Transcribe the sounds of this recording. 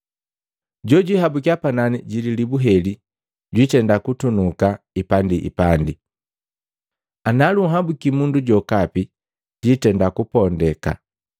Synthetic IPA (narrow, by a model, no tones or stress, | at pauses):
ɟɔɟwiɦabukiapananiɟililibuɦɛli | ɟwitɛndakutunuka | ipandiʔḭpandi | analuɦabukimunduɟɔkapi | ɟitɛndakupɔndɛka̰